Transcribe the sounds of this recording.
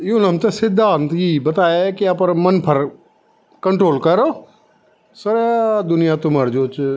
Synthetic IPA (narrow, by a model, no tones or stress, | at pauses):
junəmt̪esɪd̪ʱːaːnt̪jibət̪aːekiapəɾmənpʰəɾ | kəɳʈɾoːlkəɾoː | səɾd̪ʊnɪjat̪ʊməɾd͡ʒoːt͡ʃ